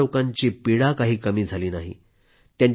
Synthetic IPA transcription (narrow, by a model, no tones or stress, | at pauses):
okãɲt͡ɕiːpiɽakaɦiːkəmiːd͡zʱaliːnaɦḭ | t̪jaɲ